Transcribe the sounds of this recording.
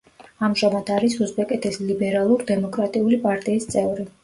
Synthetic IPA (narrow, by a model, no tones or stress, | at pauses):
amʒamad̪̥aɾisuzbɛkʼɛt̪ʰɛslibɛɾalˠuɾd̪ɛmɔkʼɾat̪ʼiulipʼaɾt̪ʼiːst̪sʼɛvɾi